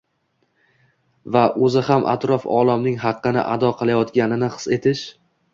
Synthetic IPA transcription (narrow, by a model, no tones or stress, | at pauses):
vaʔɵzɪhamʔa̰t̪ɾɒfɒ̰lˠamnɪŋɦɑqːɨnɪ̰ʔa̰d̪ɒqʰɨlˠajɒt̪ɡʲanɪnɪqʰɨ̥se̞t̪ʰɪʃ